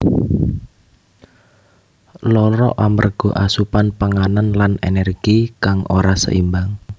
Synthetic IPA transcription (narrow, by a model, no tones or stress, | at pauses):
lɔɾɔ̰ʔamərɡ̥ɔ̤ʔasupanpaŋananlanenɛrɡ̥ikaŋʔo̰ɾasə̰ʔimbaŋ